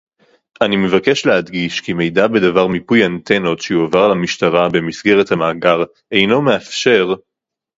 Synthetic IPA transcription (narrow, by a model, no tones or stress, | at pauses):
ʔanime̞vake̞ʃlead̪ɡiʃkime̞jdabe̞davaʁmipujant̪ʰeno̞tʃeuavaʁlamiʃtaʁabe̞misɡe̞ʁethamaːɡaʁ | e̞jno̞me̞afʃe̞ʁ